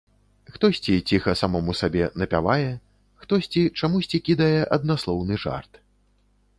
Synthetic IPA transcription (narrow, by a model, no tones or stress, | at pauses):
xt̪ɔsʲt͡sʲit͡sʲixɐsamɔmusabʲɛnɐpʲa̰vajɛ | xt̪ɔsʲt͡sʲit͡ʂamusʲt͡sʲikʲid̪ɐjɛʔɐd̪̚naslˠɔwnɨʐa̰rt̪